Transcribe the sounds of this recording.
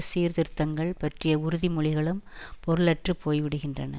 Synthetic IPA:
siːɾðɪɾt̪ːɐŋɡɐɭpɐʈrɪjɐʊɾɯðimʊɭɪɣɐɭɯmpɔɾɯɭɐʈrɯpːoːjʋɪɽɯɣɪndrɐnɐ̰

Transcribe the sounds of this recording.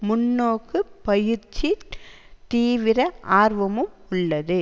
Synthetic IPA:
mʊnːoːkːɯpɐjɪɾt͡ʃːi | t̪iːʋɪɾɐaːɾʋɐmɯmʊɭːɐðɯ

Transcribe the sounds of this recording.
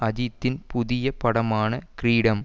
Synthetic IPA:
ɐðit̪ːɪnpʊðɪjɐpɐɽɐmaːnɐkɾiːɽɐm

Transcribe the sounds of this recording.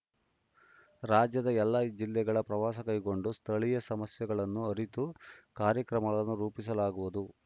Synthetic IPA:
ɾaːd͡ʒjɐd̪ɐɛlːaid͡ʒilːɛɡɐɭɐpɾɐʋaːsɐkɐjɡo̞ɳɖust̪ʰɐɭijɐsɐmɐsjɐɡɐɭɐnːuɐɾit̪ukaːɾjɐkɾɐmɐɡɐɭɐnːuɾuːpis̬ɐlaːɡuʋud̪u

